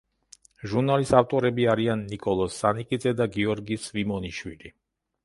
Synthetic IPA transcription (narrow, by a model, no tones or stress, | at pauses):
ʒuɾnalisaft̪ʼɔɾɛbiaɾianːikʼɔlˠɔsːanikʼid̪zɛd̪aɡiɔɾɡisvimɔniʃwḭli